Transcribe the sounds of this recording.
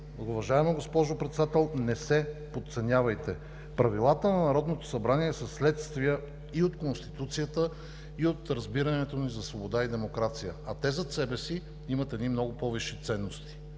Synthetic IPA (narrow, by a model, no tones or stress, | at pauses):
ʊvɐʒaɛmoɡospɔʒopɾɛt̪sɛd̪at̪ɛlˠnɛsɛpot̪t̪sɛnʲavɐjt̪ɛ | pɾɐvilˠat̪ənɐnɐɾɔd̪not̪o̥sɐbɾaniɛsɐsːlɛt̪st̪vijə | iot̪konst̪i̥t̪ut̪sijət̪ə | iot̪ɾɐzbiɾɐnɛt̪onizɐsvobod̪aid̪ɛmokɾat̪sijəɐt̪ɛzɐt̪sɛbɛsi | imət̪ɛd̪nimnɔɡʊpɔviʃit̪sɛnːost̪i̥